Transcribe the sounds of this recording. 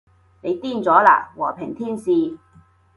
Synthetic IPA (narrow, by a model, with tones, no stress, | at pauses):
ne˨˧jt̪iː˥˩nt͡sɔː˨˥la̰ː˧˩wɔː˨˩pʰɪ˨˩ŋt̪ʰiː˥nsiː˧